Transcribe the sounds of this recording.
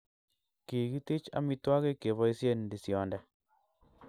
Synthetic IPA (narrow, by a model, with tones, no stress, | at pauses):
ki˨ɡi˦t̪ɪ˦t͡ʃa̰˦mi˦twa˦ke˦ke˨βɔ˦i˦sje˦ndi˨sjɔ˨ndɛ˨